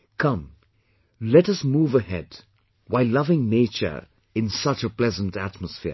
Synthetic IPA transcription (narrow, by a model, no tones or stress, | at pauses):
kʰʌ̃m | lɛtʌsmuːvəhɛd | waɪlʌvɪ̃ŋneɪt͡ʃə̰˞ | ɨ̃nsʌt͡ʃəpl̥ɛzə̃ntætməsfɪ̰